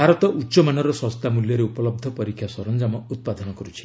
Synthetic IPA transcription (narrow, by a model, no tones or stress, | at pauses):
bʱaɾɔt̪ɔʔutːʃɔmanɔɾɔswɔst̪amuljɔɾeupɔlɔb̚d̪ʱɔpɔɾikʰːjasɔɾɔnd͡ʒamɔut̪̚pad̪ʱɔnɔkɔɾut͡ʃʰi̥